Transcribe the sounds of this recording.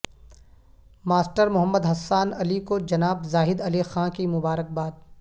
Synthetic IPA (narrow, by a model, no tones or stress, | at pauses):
maːsʈəɾmʊɦəmːəd̪ɦɐsːaːnɐlikod͡ʒɐnaːbzaːɦɪd̪ɐlixãːkimʊbaːɾək̚baːd̪̚